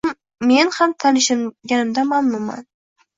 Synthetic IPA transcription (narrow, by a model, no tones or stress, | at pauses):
mː | e̞nhamt̪ʰanɪʃɪɡʲanɪmd̪amamnʊmːa̰n